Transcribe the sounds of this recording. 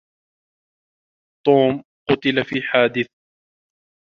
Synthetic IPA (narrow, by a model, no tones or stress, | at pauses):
t̪ˤoːm | qʊt̪ɪlafiːħaːd̪ɪθ